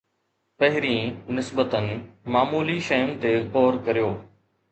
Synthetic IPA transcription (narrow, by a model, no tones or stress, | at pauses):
pɐɦɪɾiːnɪsbət̪ənɪ̆maːmuːliʃɐjʊnɪ̆t̪ekɔːɾkɐɾijoː